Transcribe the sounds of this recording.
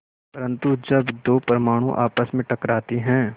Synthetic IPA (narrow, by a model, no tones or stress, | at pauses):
pɐɾə̃nt̪ud͡ʒɐbd̪oːpɾəmaːɽ̃ũʔa̰ːpəsmẽʈɐkɾaːt̪iɦɛ̃ː